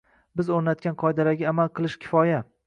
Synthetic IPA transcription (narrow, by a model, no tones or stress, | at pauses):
bɪzoɾnat̪̚kʲanqʰɒjd̪aɾaɡʲaamalˠqʰɨlˠɪʃkʲʰɪ̥fɒja